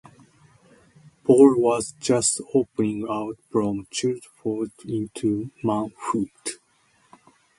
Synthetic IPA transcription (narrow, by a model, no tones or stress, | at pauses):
pʰɔlwʌzd͡ʒʌstopənĩŋaʊtfɹɔ̃mt͡ʃɛɹd͡ʒfɔdĩntʰumãʊ̃nfut